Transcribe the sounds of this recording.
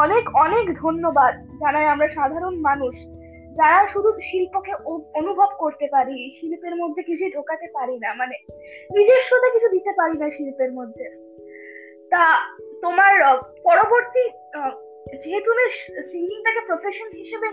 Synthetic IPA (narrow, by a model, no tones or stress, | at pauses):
ɔnekɔnekd̪ʱonːobad̪d͡ʑanaeamɾaʃad̪ʱaɾonmanuʃ | d͡ʑaɾaʃuɾukʃilpokeoonubʱobkoɾt̪epaɾiʃilpeɾmod̪ʱːekit͡ɕʰuiɖʱokat̪epaɾinamane | nid͡ʑeɾʃot̪akit͡ɕʰud̪it̪epaɾinaʃilpeɾmod̪ʱːe | t̪at̪omaɾpɔɾoboɾt̪i | d͡ʑiɦet̪umesiŋɡiŋt̪akepɾofʰeʃonɦiʃebe